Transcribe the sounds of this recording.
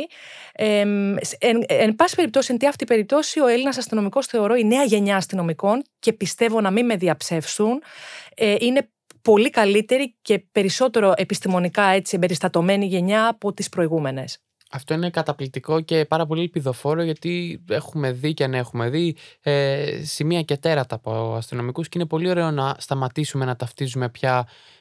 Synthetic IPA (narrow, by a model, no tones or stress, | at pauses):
eseenbɐsi̥peɾip̚t̪o̞sie̞nt̪iɐft̪ipe̞ɾip̚t̪o̞sio̞e̞linɐsɐst̪ino̞miko̞sθe̞o̞ɾo̞ine̞ɐʝe̞ɲɐːst̪ino̞miko̞nce̞pist̪e̞vo̞nɐmime̞ðiɐpse̞fsuneʔine̞ | po̞likɐlit̪e̞ɾice̞pe̞ɾiso̞t̪e̞ɾo̞ʔe̞pist̪imo̞nikɐe̞t͡siembe̞ɾist̪ɐt̪o̞me̞niʝe̞ɲɐːpo̞t̪ispɾo̞iɣume̞ne̞s | ɐft̪o̞inekɐt̪ɐplik̚t̪iko̞ce̞pɐɾɐpo̞lilpiðo̞fo̞ɾoʝɐt̪ie̞xume̞ðiceɐne̞xume̞ðiesimiɐcet̪e̞ɾɐt̪ɐːpoɐst̪ino̞mikusceinepo̞lio̞ɾe̞onɐst̪ɐmɐt̪isume̞nɐt̪ɐft̪izume̞pçɐ